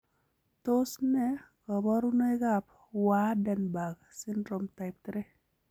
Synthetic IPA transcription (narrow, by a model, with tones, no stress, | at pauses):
to˦snɛ˦kɔ˨bɔ˦ɾu˦no˦e˦ɡa˦p | wa˦dɛ˨nba˨ɡ | sɪ˦ndɾo˨mta˨ɪ˨p̚tɾe˦